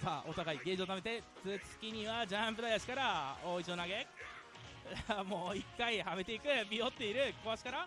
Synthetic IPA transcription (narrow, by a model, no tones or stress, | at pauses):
saːʔo̞t̪aɡaiɡe̞d͡ʑiot̪ame̞t̪e̞t͡sɨt͡sɨ̥kʲiɲ̟iβad͡ʑãmpɯ̟d̪ajaɕi̥kaɾaoːit͡ɕionaɡe̞ | mo̞ːikːaihame̞t̪e̞ikɯ̟bʲio̞t̪ːe̞iɾɯ̟koaɕi̥kaɾa